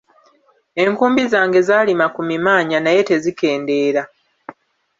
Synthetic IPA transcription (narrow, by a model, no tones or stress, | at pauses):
e̞ŋkuːmbizaːŋɡe̞zaːlimakumimaːɲanaje̞te̞zike̞ːnde̞ːɾa